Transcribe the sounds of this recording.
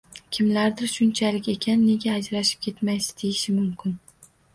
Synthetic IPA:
kʲʰɪmlaɾd̪ɪɾʃʊnt͡ʃʰalɪkʲe̞kʲʰanːe̞ɡʲaːd͡ʒɾaʃɪ̥p̚kʲʰe̞t̪majsɪ̥d̪̥ʰejɪʃɪmʊmkʲɪn

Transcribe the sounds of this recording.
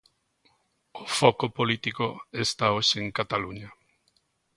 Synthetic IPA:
ofokopolit̪ikoest̪aoʃeeŋkat̪aluɲa

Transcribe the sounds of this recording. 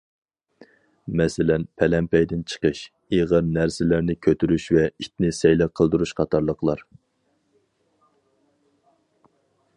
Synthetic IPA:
mɛsɪlɛnpʰɛlɛmpɛjd̪ɪnt͡ʃʰə̥qəʃ | eʁəɾnæɾsɪlæɾnɪkʲʰøt̪ʰyɾyʃvɛit̪̚nɪsɛjlæqʰəlˠd̪uɾuʃqʰɑt̪ʰɑɾlˠəqlˠɑɾ

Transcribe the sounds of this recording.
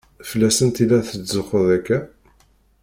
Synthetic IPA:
fəlːæsənt̪ilːæθəzəχəðækːæ

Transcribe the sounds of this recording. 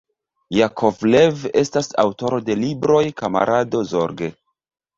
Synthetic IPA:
jakʰovleve̞stasa̰wto̞ɾo̞de̞libɾo̞jkama̰ɾʔado̞zo̞ɾɡe

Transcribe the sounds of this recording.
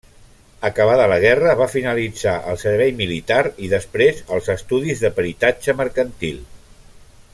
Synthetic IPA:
əkəβaðələɣ̞ɛrəβafinəlid͡zaʔə̰lˠsəɾβ̞ɛjmilit̪aɾiðəspɾezəlˠzəst̪uðizðəpəɾit̪ad͡ʒəməɾkənt̪ilˠ

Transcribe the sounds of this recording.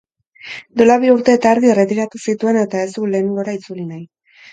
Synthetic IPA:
d̪olaβiuɾt̪e̞ːt̪aːɾðieret̪ikat̪usit̪ue̞ne̞t̪ae̞zt̪uule̞ːneŋɡo̞ɾait͡sulinaj

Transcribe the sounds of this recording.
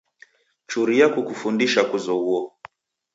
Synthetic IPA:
t͡ʃuɾijakukufundiʃakuzɔuɔ

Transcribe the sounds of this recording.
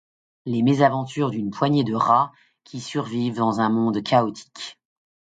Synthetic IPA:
lemezavɑ̃t̪yʁd̪ynpwaɲed̪əʁa | kʲisyʁvivd̪ɑ̃zɛ̃mɔ̃d̪kʰaɔt̪ʰi̥k

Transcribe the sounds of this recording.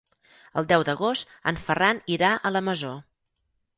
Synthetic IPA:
əlˠd̪ɛwd̪əɣost̪ə̰nfəraniɾaʔələməzo

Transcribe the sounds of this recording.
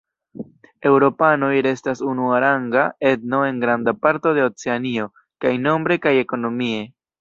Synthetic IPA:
e̞wɾo̞pano̞jɾe̞stasunuaɾaŋɡae̞dno̞e̞ŋɡɾandapaɾto̞de̞o̞t͡se̞anio̞ | kajno̞mbɾe̞kaje̞ko̞no̞mie̞

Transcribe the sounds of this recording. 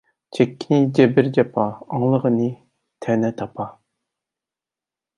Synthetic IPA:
t͡ʃʰɛkʲːinɪd͡ʒɛbɪɾd͡ʒɑpʰɑɑŋlˠəʁənɨ | t̪ʰɛnɛt̪ʰɑpʰɑ

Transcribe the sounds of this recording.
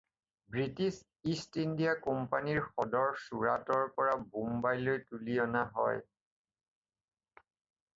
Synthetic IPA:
bɹitis | istindijakɔmpaniɹxɔdɔɹsuɹa̰tɔɹpɔɹabumbajlojtulijɔnaɦɔ̰j

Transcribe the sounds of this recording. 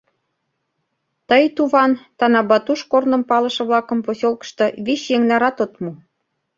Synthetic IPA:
t̪əjt̪uβɑnt̪ɑnɑbɑt̪uʃkornə̆mpɑlɤ̆ʃɤ̆βlɑkə̆mposolkə̥̆ʃt̪ɤ̆βiɕjeŋnɑɾɑt̪ot̪mu

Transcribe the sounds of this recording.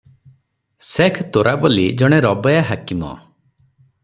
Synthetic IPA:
sekʰt̪oɾʔabolid͡ʒɔɽ̃eɾɔbɔjaɦakimɔ̰

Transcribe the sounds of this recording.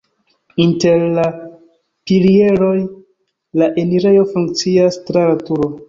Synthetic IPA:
inte̞ɾla | pilie̞ɾo̞j | laʔe̞niɾe̞jo̞fuŋk̚t͡siastɾalatuɾo̞

